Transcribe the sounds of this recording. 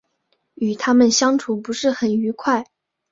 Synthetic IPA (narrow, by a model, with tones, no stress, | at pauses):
y˨˩t̪ʰa˥mə˨nɕjɑ˥ŋʈ͡ʂʰu˨˩pu˧˥ʂɻ̩˥˩xə˨˩ny˧˥kʰwa˥˩ɪ